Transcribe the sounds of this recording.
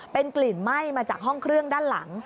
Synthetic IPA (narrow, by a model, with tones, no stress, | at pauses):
pe˧nkli˨˩nma˥˩jmaː˧t͡ɕaː˨˩k̚ɦɔ˥˩ŋkʰɾɯ˥˩əŋdaː˥˩nla̰˩˦ŋ